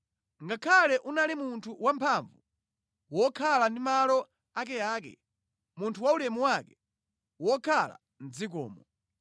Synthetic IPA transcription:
ŋɡakʰalɛʔunalimuntʰuwampʰaɱvu | wɔkʰalandimalɔ | akɛjaːkɛ̰ | muntʰuwaulɛmuwakɛ | wɔkʰala̰ | n̩d͡zikɔ̰ːmɔ

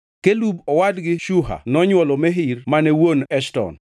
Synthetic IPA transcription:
kelubɔwadɡɪʃuɦa̰nɔɲwɔlɔmɛɦiɾmanɛwonɛʃtɔ̰n

